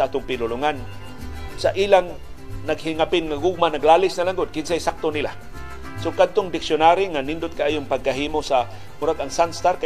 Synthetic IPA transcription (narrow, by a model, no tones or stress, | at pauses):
aʔaːt̪ʊŋpɪlʊlʊŋan | saʔiːlaŋ | naɡhɪŋapɪnŋaɡʊɡ̚manaɡlaːlɪsnalaŋɡʊd̪̚kɪnsajsak̚t̪onɪla̰ | sokad̪̚t̪ʊŋd̪ɪksjʊnaɾiŋanɪnd̪ʊt̪̚kaʔaːjʊŋpaɡ̚kaɦiːmosa | mʊɾaɡaŋsanst̪aɾka